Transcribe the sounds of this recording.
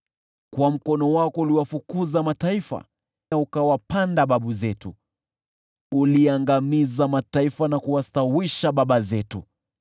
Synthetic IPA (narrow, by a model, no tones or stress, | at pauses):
kwam̩kɔnɔwakɔuliwafukuzamataifa̰ | aukawapandaɓaɓuzɛtu | uliaŋɡamizamataifanakuwastawiʃaɓaɓazɛtṵ